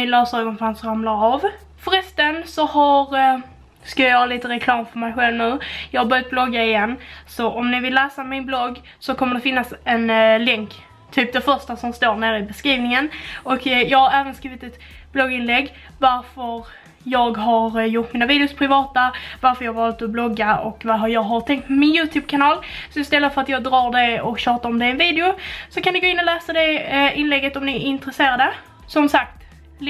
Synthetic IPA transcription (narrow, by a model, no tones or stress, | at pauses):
ɪnlœːsœːɡɔnfɾansɾamlaɾav | fœɾɛst̪ənsɔhaɾ | skajajœːɾaliːt̪əɾɛkʰlɑːmfœɾmɛjɧɛlvnʉ̟ːjɑːɡhaɾbœɾjat̪̚b̥lɔɡːaɪjɛnːsɔʔɔmnɪvɪlːæːsamɪnblɔɡː | sɔkʰɔmːəɖɛfɪnːasɛnlɛŋk | t̪ʰyːp̚d̪ɛfœɾʂʈasɔmst̪oːɳeːɾɪbɛskɾiːvnɪŋənɔkjɑːɡhaɾæːvənskɾiːvɪt̪ɛt̪ | b̥lɔɡɪnlɛɡː | vaɾfœɾ | jɑːɡɦaɾjʊʈːmiːnaviːd̪ɛʊspʰɾɪvɑːt̪avaɾfœəɾjɑːhɡvɑːlt̪ɔblɔɡːaɔ̰kːvaɾɦaɾjɑːɡɦaɾʈ̪ʰɛŋk̚t̪mɛmɪnjʉ̟ːt̪ʰʉːb̚kʰanɑːlsɔɪst̪ɛlːəfœɾat̪jɑːɡd̪ɾɑːɖɛɔkɕøːʈaɾɔmd̪ɛɛnviːd̪ɪʊsɔkʰand̪ɪɡoːɪnːɔlæːsad̪ɛɪnlɛɡːət̪ɔmnɪɪnt̪ɾəseːɾad̪ə | sɔmsak̚t̪